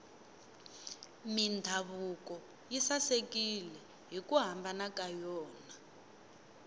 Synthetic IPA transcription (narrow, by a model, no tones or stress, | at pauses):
mindʱaβukɔ | jisasekʼilɛ | ɦikʼuɦambanakajɔːna